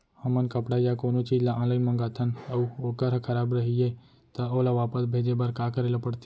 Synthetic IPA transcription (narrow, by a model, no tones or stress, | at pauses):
hɐmənkɐpɽajakoːnot͡ʃiːd͡ʒlaʔãlənmə̃ŋɡat̪ʰənəuoːkəɾkʰəɾaːbɾɐɦie | t̪ɐoːlaʋaːpəsbʱeːd͡ʒebəɾkakəɾeːlapəɽt̪